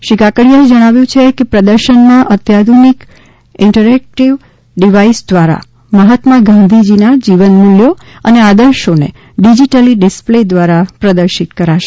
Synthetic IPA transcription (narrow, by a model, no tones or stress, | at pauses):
ʃikakəɽijaed͡ʒəɽ̃aʋjũt͡ʃʰekepɾəd̪əɾʃənmãʔət̪jad̪ʱunik | ɪɳʈəɾɛk̚ʈiʋ | ɖiʋaisd̪ʋaɾa̰ | məɦət̪maɡãn̆d̪ʱid͡ʒinad͡ʒiʋənmuljo | ənead̪əɾʃonḛ | ɖid͡ʒiʈəliɖɪspled̪ʋaɾapɾəd̪əɾʃit̪kəɾaʃe̥